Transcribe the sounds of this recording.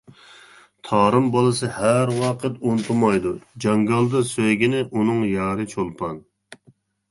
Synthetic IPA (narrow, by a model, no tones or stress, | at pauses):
t̪ʰɑːɾɨmbɑlˠɨsɨhæɾwɑqʰət̪ont̪ʰumɑjd̪ud͡ʒɑŋɡɑlˠd̪ɨsøjɡʲinɪʔunɨŋjɑːɾɨt͡ʃʰolˠpʰɑn